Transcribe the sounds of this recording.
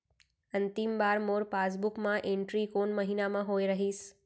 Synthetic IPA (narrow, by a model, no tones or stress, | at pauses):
ənt̪imbaɾmoɾpasbukmãʔẽɳʈɾikonməɦinamãɦojɾəɦiːs